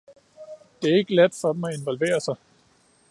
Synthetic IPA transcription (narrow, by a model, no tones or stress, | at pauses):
d̥e̝æɐe̝ɡ̥əɡ̥læd̥fɒ̽d̥m̩æe̝nʋɒ̽lʋe̝̰ːɐsɑ̈ɪ